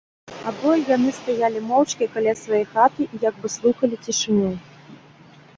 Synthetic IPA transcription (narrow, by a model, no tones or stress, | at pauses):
abɔjʲjanɨst̪ajalʲimɔwt͡ʂkʲikalʲasvajɔjxat̪ɨʔijaɡ̚bɨslˠuxɐlʲit͡sʲiʂɨnʲu